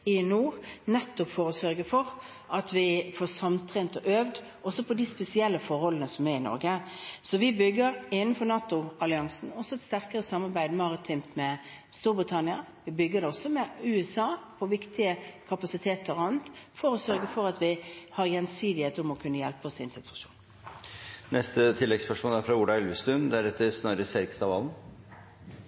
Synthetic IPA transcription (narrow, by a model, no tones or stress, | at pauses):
ɪnuːʁnɛt̪ːʊpfɔɾɔsœɾɡəfɔɾ | ʔɑt̪ʋɪfɔsɑmt̪ʰɾeːnt̪ɔʔøːʋd̪ | ʔɔsɔpʰɔd̪ɪspɛsɪɛlːəfɔɾhɔlːənəsɔmæɾɪnɔ̰ɾɡəsɔʋɪbʏɡːəɾɪnən̩fɔɾnɑːt̪ʊɑlɪɑŋsnɔsːɔɛt̪st̪æɾkəɾəsɑmːɑɾbæɪd̪mɑɾət̪ʰɪmtmɛ | st̪uːɾbɾɪt̪ʰɑnɪɑ | ʋɪbʏɡːəɾd̪ɛɔsɔmɛʉːɛsɑːpʰɔʋɪkt̪ɪəkʰɑpɑsɪt̪ʰeːt̪əɾɑnt̪fɔɾɔsœɾɡəfɔɾɑt̪ʋɪhɑɾjɛnsiːd̪ɪheːt̪ɔmɔkʰʉnːəjɛlpəɔsɪnsɪt̪ʰʉ̥ʂu̥̰ːn | nɛst̪ət̪ʰɪlːɛɡspœʂmoːlæɾfɾɑʊɖɑɛlʋəst̪ʉnd̪ɛæɾɛt̪ːəɾsnɑːɾəsɛɾkst̪ɑʋɑ̰ln